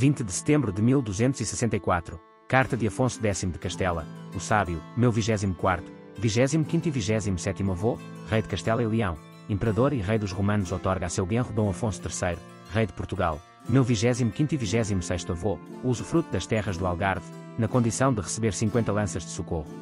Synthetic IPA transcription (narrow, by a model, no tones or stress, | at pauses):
vĩnt̪ðɨsɨ̥t̪ẽmbɾud̪ɨmilˠd̪uzẽnt̪uzisɨ̥sẽnt̪ɐikwat̪ɾu | kaɾt̪ɐðɨɐfõsuðɛsimud̪ɨkɐʃt̪ɛlˠɐ̰usaβjumewviʒɛzimukwaɾt̪u̥ | viʒɛzimukĩnt̪wiviʒɛzimusɛt̪imuɐvoʁɐjðɨkɐʃt̪ɛlˠɐilˠiɐ̃w̃ | ẽmpɨɾɐðoɾiʁɐjðuʒʁumɐ̃nuzɔt̪ɔɾɣasewɣẽʁud̪õw̃ɐfõsu̥t̪ɨɾsɐjɾu | ʁɐjðɨpuɾt̪uɣa̰lˠ | mewviʒɛzimukĩnt̪iviʒɛzimusɐjʃt̪uɐvouzufɾut̪uðɐʃt̪ɛʁɐʒðualˠɣaɾðnɐkõnd̪isɐ̃w̃d̪ɨʁɨsɨβeɾsĩŋkwẽnt̪ɐlˠɐ̃sɐʒd̪ɨsukoʁu